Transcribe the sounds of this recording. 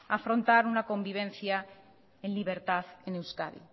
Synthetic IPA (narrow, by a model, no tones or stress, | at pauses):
afɾo̞nt̪aɾunako̞mbiβ̞ẽ̞nθja | enliβ̞e̞ɾt̪aθenewska̰ðḭ